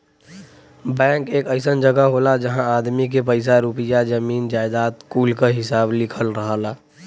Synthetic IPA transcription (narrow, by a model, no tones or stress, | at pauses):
bɛ̃ːŋkeːkəɪsənd͡ʒəɡaɦoːlad͡ʒəɦãaːd̪mik̬epəɪs̬aɾupɪjad͡ʒəmiːnd͡ʒaːɪd̪aːt̪kuːlkaɦɪsaːblɪkʰəlɾəɦaːla